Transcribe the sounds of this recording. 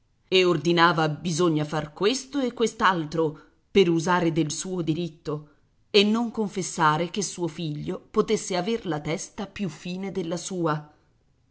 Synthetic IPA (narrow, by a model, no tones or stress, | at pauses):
eord̪inaːvabizoɲːafarkwest̪oekːwest̪alt̪ɾo | peɾuzaːɾed̪elsuːod̪iɾit̪ːo | enːoŋkoɱfesːaːɾekesːuːofiʎːopot̪esːeaverlat̪ɛst̪apjufːiːned̪elːasuːa